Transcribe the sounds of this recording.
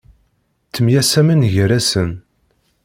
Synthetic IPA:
t͡sːəmjæsæmænʝɾæsən

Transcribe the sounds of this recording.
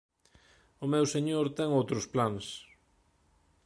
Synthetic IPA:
ʊmewseɲoɾt̪ɛŋowt̪ɾʊsplans

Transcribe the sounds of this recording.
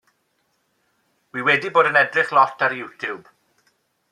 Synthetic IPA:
wiwɛdiboːdənɛdrɪχlˠɔtʰaɾjuwtʰjub̥

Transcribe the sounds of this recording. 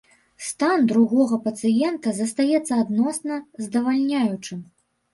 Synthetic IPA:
st̪and̪ɾuɣɔɣɐpɐt̪sɨjɛnt̪ɐzɐst̪ajɛt̪sːɐad̪nɔsnɐzd̪ɐvalʲnʲajut͡ʂɨm

